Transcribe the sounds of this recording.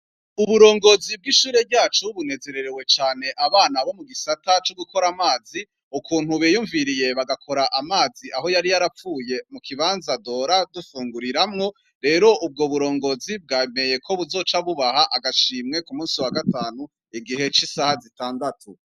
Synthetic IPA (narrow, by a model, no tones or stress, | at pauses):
uβuɾo̞ːŋɡo̞zib̚ɡiʃuːɾe̞bɟaːt͡ʃuβune̞ze̞ɾe̞ɾewe̞t͡ʃaːne̞ʔaβaːnaβo̞muɡisatat͡ʃo̞ɡukʰo̞ɾamaːzi | ukuːn̥huβejuːɱviɾije̞βaɡakʰo̞ɾaʔamaːziʔaɦo̞jaɾijaɾafuːje̞mukʰiβaːnzado̞ːɾadufuːŋɡuɾiɾamŋo̞ | ɾe̞ːɾo̞ʔub̚ɡoβuɾo̞ːŋɡo̞zib̚ɡaːme̞je̞kʰo̞βuzo̞ːt͡ʃaβuβahaʔaɡaʃiːmŋe̞kumuːnsiwaɡataːnu | iɡiɦe̞t͡ʃisahazitaːndatʰu